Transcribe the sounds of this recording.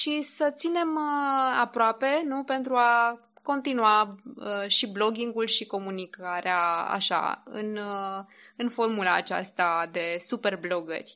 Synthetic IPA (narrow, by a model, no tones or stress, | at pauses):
ʃisət̪sine̞məapɾoape̞nupe̞nt̪ɾua | ko̞nt̪inuaəʃiblo̞ɡʲiŋɡulʃiko̞munikaɾeaa̰ʃa̰ɨ̰nə | ɨnfo̞rmulaːt͡ʃa̰st̪ad̪e̞supe̞rblo̞ɡə̰rʲ